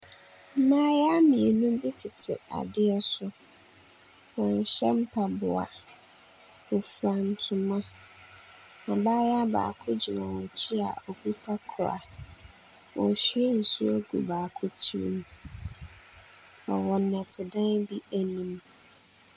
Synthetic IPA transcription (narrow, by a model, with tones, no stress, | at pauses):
m̩˦mãː˦ja˦mĩ˨e˨nũ˦m˦bi˦tʰɪ˨tʰɪ̰˨a̰˨dɪ˦ɛ˦sʊ˦ | wɔ̃˨n˨ɕɛ˦m̩˦pʰa˦˨bʊ˨a̰˨ | wʊ˨fu˨ɾa˨n̩˨tʰʊ̃˨mã˦ | ɔ̃˨baː˦ja˦ba̰ː˨kʰʊ˦d͡ʑi˨nã˨wɔ̃˨t͡ɕʰɪ˦a̰˨ɔ˨ku˦tʰa˦kʰʊ˨ɾa̰˨ | wʔɔ̃˨ɕi˦ɛ˦n̩˨su˦æ˦ɡṵ˨baː˨kʰʊ˦t͡ɕʰi˦ɾḭ˦˨m˦ | nã̰˨wɔ̃˨nːɛ̃˨tʰɪ˨dã˦bi˦æ˨nĩ˦m